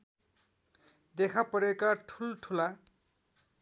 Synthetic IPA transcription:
d̪ekʰapʌɾekaʈʰulʈʰula

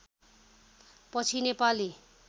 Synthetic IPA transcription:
pʌt͡sʰinepali

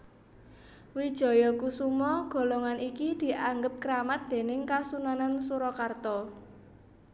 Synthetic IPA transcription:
wid̥ʒ̥ɔ̤jɔkusumɔɡ̥ɔ̤lɔŋanikid̪̥i̤ʔaŋɡəp̚kəɾamat̪̚d̪̥e̤nɪŋkasunanansuɾɔkart̪ɔ

